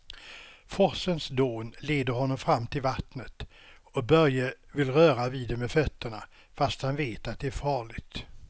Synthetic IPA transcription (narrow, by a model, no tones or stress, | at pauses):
fɔsənsd̪oːnleːd̪əɾɦhɔnːɔmfɾamːt̪ʰɪlvat̪nət̪ | ɔbœɾjəvɪlɾœːɾaviːd̪ɛmɛfœt̪ʰːəɳa | fast̪hanveːt̪at̪̚d̪ɛæɾfɑːɭɪɡt̪